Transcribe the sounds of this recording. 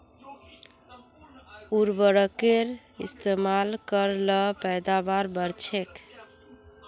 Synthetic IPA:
uɾbəɾəkeɾ | ḭst̪emalkəɾləpɛjd̪abaɾbəɾt͡ʃʰek

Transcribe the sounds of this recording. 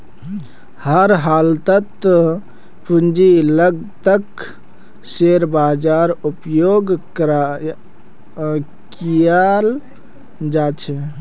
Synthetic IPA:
həɾɦaːlt̪ət̪ | pund͡ʒiləɡt̪ək | seɾbad͡ʒaɾupjoɡkɾa | kijal | d͡ʒat͡ʃʰɛ

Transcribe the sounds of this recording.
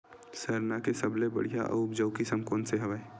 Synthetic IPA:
səɾnakesɐblebɐ̰ɽija̰ʔɐ̰ʊpd͡ʒəːkisəmkoːnseɦɐʋae

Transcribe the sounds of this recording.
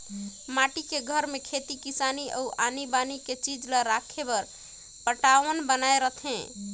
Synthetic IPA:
maʈikeɡʱəɾmekʰet̪ikisaniʔəuʔanibaniket͡ʃid͡ʒləɾakʰebəɾ | pəʈaʋənbənaeɾət̪ʰẽ

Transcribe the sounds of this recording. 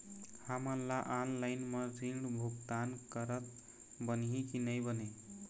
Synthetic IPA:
həmənlaʔanlaɪnmʌɾiɳɖbʱukt̪ankəɾət̪̚ | bənɦĩkinəjbəne

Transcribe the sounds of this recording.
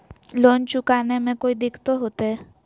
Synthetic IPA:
loːnt͡ʃʊkaːnemẽkoːid̪ɪkʰt̪oɦoːt̪eɦɛː

